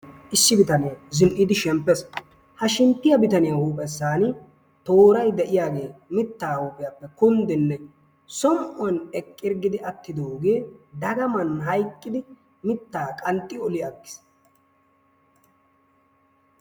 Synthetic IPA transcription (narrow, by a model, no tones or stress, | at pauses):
ʔɪsːɪbɪt̪ɐnɪjazɪnʔɪd̪ɪʃɛmpːɛs | hɐʃɪmt̪ːɪjɐbɪt̪ɐnɪjɐhuːpʼɛsːaːnɪ | t̪o̞ːɾɐjd̪ɛʔɪjaːɡe̞ːmɪt̪ːaːhuːpʼɪjapːɛkʊnd̪ɪnːɛ | sɔmʔɔnɛkʼːɪɾɡɪd̪ɪʔɐt̪ːɪd̪oːɡe̞ːd̪ɐɡɐmɐnɦɐjkʼːɪd̪ɪ | mɪt̪ːaːkʼɐnt̪ʼːɪɔlɪjaɡːɪ̥s